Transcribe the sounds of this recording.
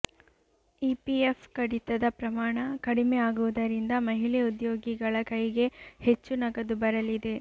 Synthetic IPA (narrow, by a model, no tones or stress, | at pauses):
ipiefkɐɽit̪ɐd̪ɐpɾɐmaːɳɐkɐɽimeaːɡuʋud̪ɐɾind̪ɐmɐɦilɛud̪joːɡiɡɐɭɐkɐjɡe̞het͡ʃːunɐɡɐd̪ubɐɾɐlid̪e̞